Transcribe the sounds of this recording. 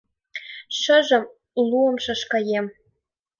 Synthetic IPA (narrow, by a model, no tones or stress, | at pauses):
ʃə̆ʒɤ̆m | luɤ̆mʃɤ̆ʃkɑjem